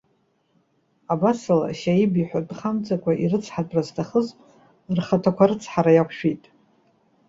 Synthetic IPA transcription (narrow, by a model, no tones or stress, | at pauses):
abasala̰ʃajibiħʷᶣadχamt͡sʼakʷʰʼaʔirɨt͡sʰħatʼraztʰaχəzʼ | rχatʰakʷʰaɾɨt͡sʰħaɾajakʷʰʃᶣijtʼ